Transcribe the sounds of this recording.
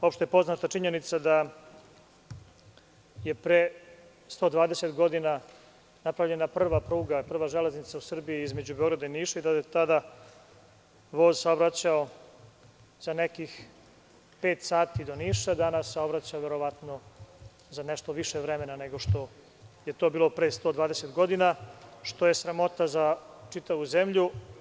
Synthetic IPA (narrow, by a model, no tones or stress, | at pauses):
o̞pʃt̪ojepo̞znat̪at͡ʂiɲe̞nit̪sad̪a | jepɾe | st̪o̞d̪ʋaːd̪eset̪ɡo̞d̪ina | napɾavʎe̞naprr̩ʋapɾuːɡapr̩ʋaʒele̞znit̪sausr̩biiizme̞d͡ʑubeo̞ɡɾad̪ainiːʃaid̪aet̪ad̪a | ʋo̞ːzsaobɾat͡ɕao̞ | z̥ane̞kix | pe̞ːt̪saːt̪id̪o̞niːʃad̪anasːeo̞bɾat͡ɕaʋeɾo̞ʋat̪no̞ | zaneʃt̪oʋiʃeʋɾeme̞naneɡo̞ʃt̪o̞ | je̞t̪o̞biːlˠo̞pɾest̪o̞d̪ʋaːd̪ese̞t̪ɡo̞d̪inaʃt̪o̞je̞sɾamo̞t̪azat͡ʂit̪aʋuze̞mʎu